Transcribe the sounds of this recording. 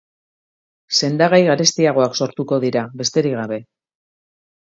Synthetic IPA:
se̞nd̪aɣajɣaɾe̞st̪iaɣ̞o̞akso̞ɾt̪uko̞ðiɾaβe̞st̪e̞ɾiɣaβe̞

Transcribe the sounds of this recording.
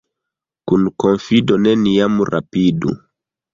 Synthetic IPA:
kunkonfidoneniamuɾa̰pidṵ

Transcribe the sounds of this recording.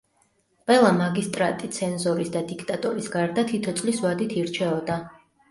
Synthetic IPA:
pʼɛlˠamaɡist̪ʼɾat̪ʼit̪sʰɛnzɔɾisd̪ad̪ikʰt̪ʼat̪ʼɔɾisɡaɾd̪at̪ʰit̪ʰɔt̪sʼliswad̪it̪ʰiɾt͡ʃʰɛɔd̪a

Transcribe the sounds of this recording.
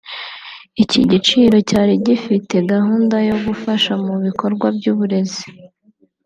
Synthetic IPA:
iciɟit͡ʃiːɾo̞caːɾiɟifite̞ɡahuːndajo̞ɡufaʃamuβikʰo̞ɾɡwabɟuːβuɾe̞zi̥

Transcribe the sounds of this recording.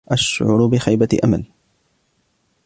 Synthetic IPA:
ʔaʃʕʊ̰ɾʊbɪxajbaʔama̰l

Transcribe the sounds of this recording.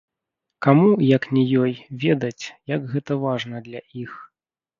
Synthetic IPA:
kamujɐknʲɛjɔjvʲɛd̪ɐt͡sʲjɐɡɣɛt̪ɐvaʐnɐd̪lʲɐʔix

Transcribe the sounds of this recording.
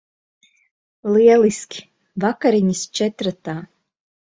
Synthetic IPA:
lˠiɛlˠiskʲi̥ | vakaɾiɲist͡ʃɛt̪ɾat̪aː

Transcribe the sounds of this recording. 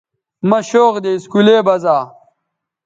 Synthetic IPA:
mɐɕoːɣd̪eiskuleːbɐzaː

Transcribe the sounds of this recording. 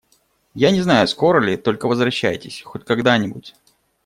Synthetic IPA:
janʲɪznajʊsko̞ɾəlʲɪt̪o̞lʲkəvəzvɾɐɕːæ̰jtʲɪ̰sʲxot̚ʲkɐɡd̪anʲɪbʊtʲ

